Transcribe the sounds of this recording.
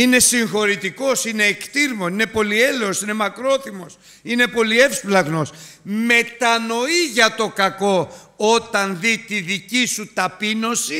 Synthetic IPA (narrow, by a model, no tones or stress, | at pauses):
ine̞siŋxo̞ɾit̪iko̞sine̞ːkt̪iɾmoine̞po̞lie̞leosine̞mɐkɾo̞θimo̞s | ine̞po̞lie̞fsplɐɣno̞sme̞t̪ɐno̞iʝɐt̪o̞kɐko̞ | ot̪ɐnðit̪iðicisut̪ɐpino̞si